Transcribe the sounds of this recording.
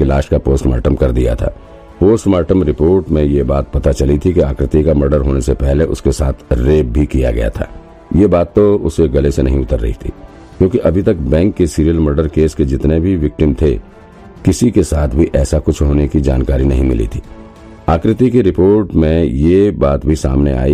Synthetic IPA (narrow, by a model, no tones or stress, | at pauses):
elaːʃkapoːsʈmɛ̰ːɾʈəmkɐɾd̪ija̰t̪ʰa̰ː | poːsʈmaːʈəmɾɪpoːɾʈmẽjebaːt̪̚pɐt̪at͡ʃɐlit̪ʰikiaːkɾɪt̪ikamɐɾɖəɾɦoːnesepɛɦleʔʊ̰skesaːt̪ʰɾeːb̚bʱikija̰ɡɐ̰ja̰t̪ʰa̰ː | jebaːt̪ːoʊseɡɐlesenɐɦĩʊt̪əɾːɐ̰ɦḭt̪ʰḭː | kjõːkiʔɐbʱit̪ɐkbɛ̃ːŋkːesiːɾijəlməɾɖəɾkeːsked͡ʒɪt̪nebʱiʋɪk̚ʈɪmt̪ʰe | kɪsikesaːt̪ʰbʱiʔɛːsakʊt͡ʃʰɦoːnekid͡ʒa̰ːnkaːɾinɐɦĩmɪlḭt̪ʰiː | aːkɾɪt̪ikiɾɪpoːɾʈmẽjebaːt̪bʱisa̰ːmnḛa̰ːi